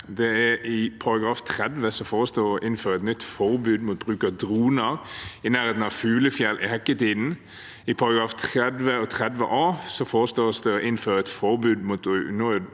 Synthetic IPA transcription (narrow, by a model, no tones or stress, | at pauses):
d̪ɛæɾɪpʰɑɾɑɡɾɑːft̪ʰʁɛd̪ʋəsɔfoːʁəst̪oːɔʔɪnføːɾəɛt̪nʏt̪ːfɔɾbʉːd̪muːt̪̚bɾʉːkɑd̪ɾuːnəɾɪnæːɾheːt̪n̩ɑʋfʉːləfjɛlːʔɪhɛkːət̪iːd̪n̩ | ɪpʰɑɾɑɡɾɑːft̪ʰɾɛd̪ʋəɔt̪ʰʁɛd̪ʋə̰ʔɑːsɔfoːʁəst̪oːsd̪ɛɔʔɪnføːɾəɛt̪fɔɾbʉːd̪muːt̪nɔ